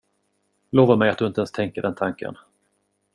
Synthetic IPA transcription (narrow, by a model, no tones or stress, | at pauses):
loːvaɾmɛjat̪d̪ɵɪnt̪əɛnst̪ʰɛŋkəɖɛnt̪ʰaŋkə̰n